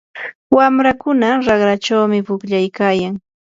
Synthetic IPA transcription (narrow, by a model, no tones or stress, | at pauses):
wamɾakʊnaɾɑχɾat͡ʃawmɪpʊkʎajkaːjaŋ